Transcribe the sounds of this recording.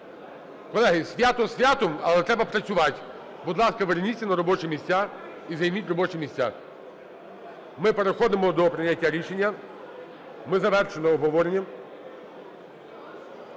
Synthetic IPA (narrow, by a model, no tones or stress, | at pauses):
kɔlˠɛɦɪsʲʋʲat̪ɔsʲʋʲjat̪ɔmɐlˠɛt̪ɾɛbɐpɾɐt͡sʲʊʋɑtʲ | bud̪lˠɑskɐʋernʲit̪ʲsʲɐnɐɾɔbɔt͡ʃɪmʲisʲt͡sʲa | izɐjmʲitʲrɔbɔt͡ʃɪmʲisʲt͡sʲa̰ | mɪpeɾexɔd̪ɪmɔd̪ɔpɾɪnʲːɐtʲːaɾʲiʃenʲːɐ | mɪzɐʋɛrʃenɔɔɦɔʋɔɾenʲːɐ